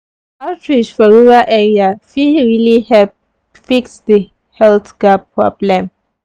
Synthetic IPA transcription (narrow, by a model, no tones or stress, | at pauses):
atʰɹid͡ʒfɔɹuvaʔɛɹiafiɹilihɛ | fiksdə | hɛltɡ̥apʰɹɔblɛ̃m